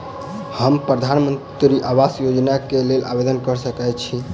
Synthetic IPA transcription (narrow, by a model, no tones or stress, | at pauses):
həmpɾəd̪ʱanmənt̪ɾiʔabasjod͡ʒnakelelʔa̰bed̪ənkəɾsəkɛt͡ʃʰi